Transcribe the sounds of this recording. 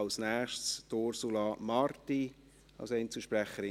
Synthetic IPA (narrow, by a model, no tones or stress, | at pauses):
ɑlsnɛːχʃtstoːɾsulɑmɑrti | ɑ̰lsɛɪnt͡səʃpɾɛχəɾɪ